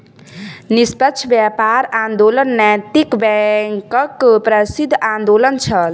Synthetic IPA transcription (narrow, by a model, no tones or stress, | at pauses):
nispəkʃʰbjapaɾãnd̪olənːɛt̪ikbɛŋkəkpɾəsid̪ʱːãnd̪olənt͡ʃʰəl